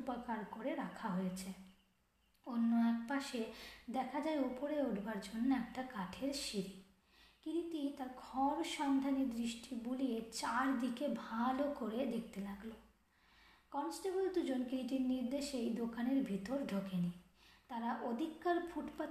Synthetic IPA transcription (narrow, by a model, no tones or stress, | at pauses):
pakaɾkoɾeɾakʰaɦojet͡ɕʰe | onːonakpaʃed̪ɛkʰad͡ʑaeupoɾeuɖʱbaɾd͡ʑonːoɛk̚ʈakaʈʰeɾʃiɾi | kiɾit̪it̪aɾɡʱɔɾʃɔnd̪ʱanid̪ɾiʃʈʰibuliet͡ɕaɾd̪ʱikebʱalokoɾed̪ekʰt̪elaɡlo | kɔnsʈebold̪ud͡ʑonkijʈiɾniɾd̪eʃejd̪okaneɾbʱit̪oɾd̪ʱokenit̪aɾaʔod̪ʱikːaɾfʰuʈpa